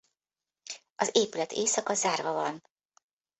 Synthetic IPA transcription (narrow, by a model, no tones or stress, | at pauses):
ɒzeːpylɛt̪ʰeːsɒkɒzaːrvɒvɒn